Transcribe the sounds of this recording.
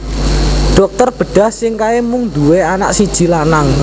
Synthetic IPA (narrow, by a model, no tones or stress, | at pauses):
ɖ̥ɔ̤k̚t̪ɔrb̥ə̤ɖ̥a̤hsɪŋkaemuŋnd̪uweana̰ʔsid̥ʒ̥i̤lanaŋ